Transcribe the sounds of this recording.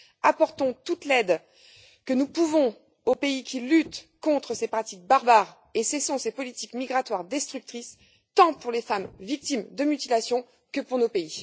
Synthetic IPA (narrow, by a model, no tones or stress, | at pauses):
apɔʁt̪ɔ̃t̪ut̪lɛd̪ | kənupuvɔ̃ | opeikʲilyt̪kɔ̃t̪χəsepχat̪ik̚baʁbaʁ | esesɔ̃sepɔlit̪ikmiɡʁat̪waʁd̪ɛst̪χyk̚t̪χis | t̪ɑ̃puʁlefamvik̚t̪imd̪əmyt̪ilasjɔ̃ | kəpuʁnopei